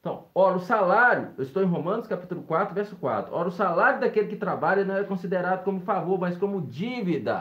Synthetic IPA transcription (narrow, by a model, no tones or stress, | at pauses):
t̪ɐ̃w̃ɔɾɐʊsalaɾjʊ̰ewɪst̪owẽj̃ɦomɐ̃nʊskapit̪ʊlʊkwat̪ɾʊvɛɾsʊ̥kwa̰t̪ɾʊɔɾɐʊsalaɾjʊd̪akelɪkɪt̪ɾabaʎɐnɐ̃w̃ɛkõsid̪eɾad̪ʊkõmʊfavoɾmɐjskõmʊd͡ʒivid̪ɐ̰